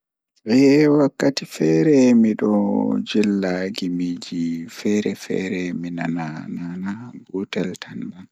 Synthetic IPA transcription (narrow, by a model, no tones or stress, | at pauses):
bɛwakːatifɛɾɛmiɗɔ̰d͡ʒilːaɡimid͡ʒifɛɾɛfɛ̰ɾɛminanananabutɛltʰanban